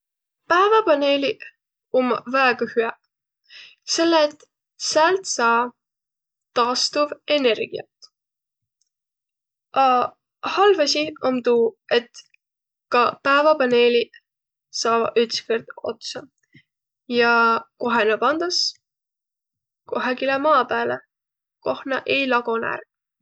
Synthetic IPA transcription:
pæevɑpɑne̞ːlʲiʔ | omːvæeɡ̥ɑhyɑ | se̞lːet̪ | sælt̪sɑː | t̪ːɑːst̪uve̞ne̞rɡ̥iɑ̰t̪ | ɑ | hɑlvɑsiɑmd̪ue̞t̪ | kɑpæevɑpɑne̞ːlʲi | sɑːvɑʔyt̪skerd̪̥o̞̰t̪sɑ | jɑko̞ɦenɑpɑnd̪̥us | ko̞ɦɑɡilemɑːpæːle | ko̞hnɑʔe̞jlɑɡ̥onæ̰rk

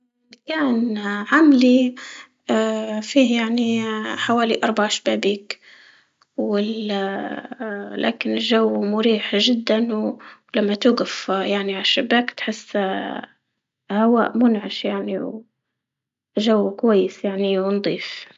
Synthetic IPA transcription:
kaːnʕamli | fiːhjaʕniħawaːliʔɑɾˤbaʕaʃḁbaːbiːk | wɪl | lʔa̰ːkɪnɪlʒawːmʊɾiːħʒɪd̪ːanlamːat̪uːɡafjaʕniʕaʃɪbːaːkt̪ħɪsː | hawa̰ːʔmʊnʕaʃjaʕniw | ʒawːkwajːɪsjaʕniwnd̪ˤiːf

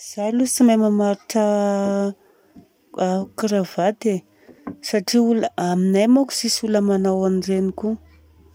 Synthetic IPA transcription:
z̥ajlut͡simamamaɾiʈ͡ʂə | kɾavad̪e | saʈ͡ʂiuləaminajmaku̥sisuləmanawanɖ͡ʐeniku

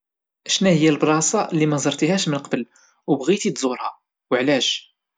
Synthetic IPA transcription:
ʔæʃnæhəjːælbɾˤɑsɑlːimæzˤɑɾˤt̪ihæʃmənqɑbəl | wbɣit̪it̪zˤuɾhæ | wəʕlæʃ

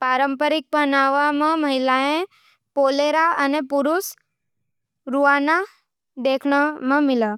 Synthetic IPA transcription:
paːɾəmpəɾɪk̚pənaːʋamãməɦɪlaẽ | poːleɾaənepʊɾus | ɾuʋaːna | d̪eːkʰɳəmãmɪla

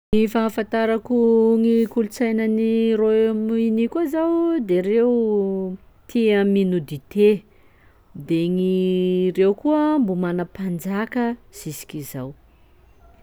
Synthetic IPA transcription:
nifafant̪aɾakuŋikulut͡sajnəniromuinikuazawd̪eɾew | t̪ʰiəminud̪it̪e | d̪eŋirewkuəmbumanəpand͡zakəz̥isi̥kʲizaw

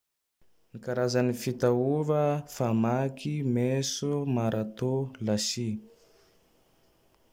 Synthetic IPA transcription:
nikaɾazanifit̪auvəfamakʰimesumaɾʔat̪olasi

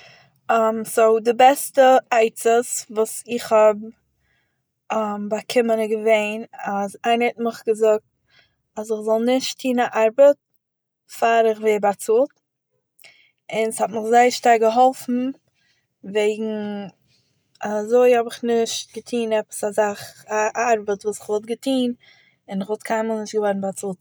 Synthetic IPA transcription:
amsoʊdɪbɛstəaɪt͡səsvuːsɪχhɔb̚ | mbakʰɪmənɪɡəveɪnazaɪnəhɛtmɪχɡəzʊk̚t̚ | asɪχzɔlˠnɪʃtʰːiːnaʔaɾbət̚ | faɾɪχveːbat͡suːlˠt | ɪnshɔtmɪχzaɪəʃtaɾɡəɦɔlˠfn̩ | veɪɡŋ̩ | azoɪhɔbɪχnɪʃt̚ɡətʰiːnɛpə̥sazaχaʔaɾbətvuːsɪ̥χvɔt̚ɡətʰiːn | ɪnɪχvɔlˠt̚kʰaɪmalˠnɪʃtɡəvɔɾn̩bat͡suːt

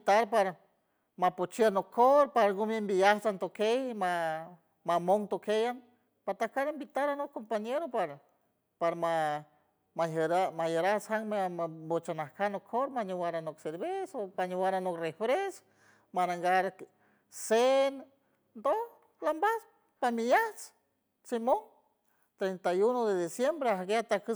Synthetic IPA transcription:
t̪aɾpaɾa | mapot͡ʃianokʰːoɾpaɾaɡumembijaht͡sant̪okejma | mamoŋt̪okejan | pat̪ahkaɾimbit̪aɾanokkːompaɲeɾopaɾa | paɾama | majeɾamajeɾasaŋmeabot͡ʃanahkanokʰoɾmaɲuwaɾanokseɾβesopaɲewaɾanokrefɾes | manaŋɡaɾ | sen | nd̪oh | lambas | pamijat͡s | simoŋ | t̪ɾent̪ajunoðeðisjembɾeahɡeat̪akə

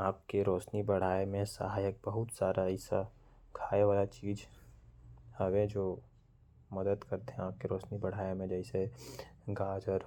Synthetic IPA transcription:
aːp̚keɾɔːʃnibɐɽ̤aːemẽsɐ̰ɦaːjək̚bɐɦʊt̪saːɾaɪsa̰ | kʰaːeʋaːlat͡ʃiːd͡ʒ | hɐwed͡ʒoː | mɐd̪əd̪kɐɾt̪eɦɛ̃aːp̚keɾɔːʃnibɐɽ̤aːemẽd͡ʒɛɪse | ɡaːd͡ʒəɾ

